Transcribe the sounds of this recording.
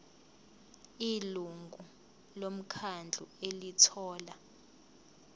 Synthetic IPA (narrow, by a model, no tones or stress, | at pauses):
iluŋɡʱu | lom̩kʰand͡ɮʱṵelitʰɔːla